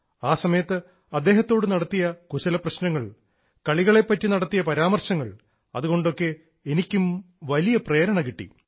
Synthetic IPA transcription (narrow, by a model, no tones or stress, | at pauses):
aːsɐmɐjɐt̪ːɨ | ɐd̪ːe̞ːɦɐt̪ːo̞ːɽɨnɐɽɐt̪ːijɐkuɕɐlɐprɐɕnɐŋːɐɭ | kɐɭiɣɐɭepːɐtːinɐɽɐt̪ːijɐpɐɾaːmɐrɕɐŋːɐɭ | ɐ̰ðuɣo̞ɳɖo̞kːe̞ː | nikʲːum | ʋɐlijɐpreːɾɐɳɐkiʈːḭ